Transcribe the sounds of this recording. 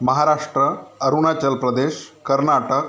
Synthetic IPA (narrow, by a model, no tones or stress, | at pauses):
məɦaɾaʂʈɾəːɾunat͡ɕəlpɾəd̪eɕkəɾnaʈək̚